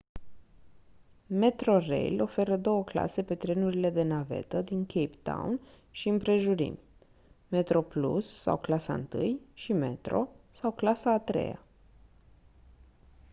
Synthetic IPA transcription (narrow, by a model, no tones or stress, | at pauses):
me̞t̪ɾo̞rḛjlo̞fe̞ɾəd̪o̞wəkla̰se̞pe̞t̪ɾe̞nuɾile̞d̪e̞nave̞̰t̪əd̪iŋkʰejpt̪a̰wn | ʃiɨmpɾe̞ʒuɾḭm | me̞t̪ɾo̞plṵsːa̰wklasa̰ɨ̰nt̪ɨ̰jʃime̞̰t̪ɾo̞̰sawklasaːt̪ɾḛja̰